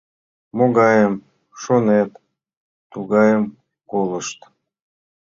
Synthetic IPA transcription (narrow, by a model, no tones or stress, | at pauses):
moɣɑjəm | ʃonet̪ | t̪uɣɑjəm | kolˠəʃt̪